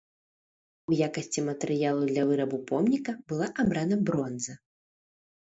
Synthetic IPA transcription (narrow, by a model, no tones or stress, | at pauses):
ujakɐsʲt͡sʲimɐt̪ɛɾɨjalˠud̪lʲɐvɨɾɐbupɔmnʲikɐbɨlˠaʔabɾanɐbɾɔnzɐ